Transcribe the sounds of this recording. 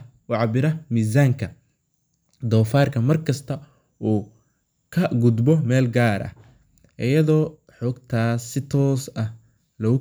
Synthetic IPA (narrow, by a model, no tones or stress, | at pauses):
ɑʕɑbɪɾɐmiːs̬aːŋkʰɐ | d̪ɔːfaːrkʰɐmɐrkʰɐst̪ʰɐ | uː | kʰɐɡʊd̪bɔmɛːlɡaːɾʔɐ̰h | ʔɪjɐðɔː | ħɔːɡt̪ʰaːsɪt̪ʰɔːsɐh | lɐʊ